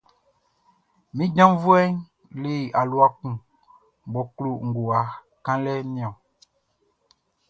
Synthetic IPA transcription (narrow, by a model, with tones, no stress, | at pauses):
mĩ˦ɟã˦mvu˦ɛ˦ɲ | li˦˨a˨lu˦a˦kũ˨ | m˨bɔ˨klu˦ŋ̩˨ɡu˨a˨ | kã˦lɛ˦nĩ˦ɔ̃˨